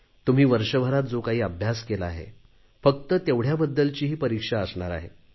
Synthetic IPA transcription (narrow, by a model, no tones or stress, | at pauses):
t̪um̤iːʋəɾʂəʋəɾat̪̚d͡zokaɦiːəbʱjaskelaːɦḛ | fək̚t̪ət̪eʋɽ̤jabəd̪ːəlt͡ɕiːɦiːpəɾikʂaəsɳaɾa̰ɦḛ